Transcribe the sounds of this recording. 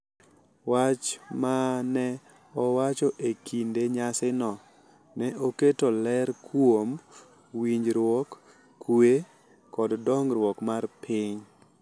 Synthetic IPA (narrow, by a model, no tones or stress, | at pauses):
wat͡ʃmanɛ | ɔwat͡ʃoʔekʰindeɲasɪnɔ | nɛʔoketolɛɾkʰwom | wiɲd͡ʒɾwɔkː | ue | kɔddɔŋɾwɔkmarpʰɪɲ